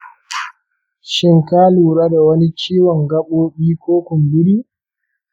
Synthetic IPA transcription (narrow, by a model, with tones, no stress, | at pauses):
ʃɪ˦ŋkaː˦luː˨ɾaː˦da˨wɐ˦ni˦t͡ʃiː˦wɔ˨ŋɡɐ˦ɓoː˦ɓiː˦kʷoː˦kʷʊ˨mbɪ˦ɾiː˦